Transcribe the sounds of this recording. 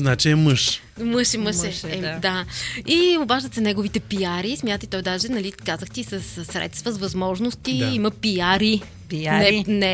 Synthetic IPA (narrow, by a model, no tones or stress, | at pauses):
znat͡ʃiɛmɤʃ | mɤʃɛməʃɛɛd̪aiobaʒd̪ət̪sɛnɛɡovit̪ɛpijaɾismʲjat̪ət̪it̪ɔjd̪aʒɛnɐlikazəxt̪isəsːɾɛ̰t̪st̪vɐzvɐzmɔʒnost̪iimɐpijaɾi | inɛnɛ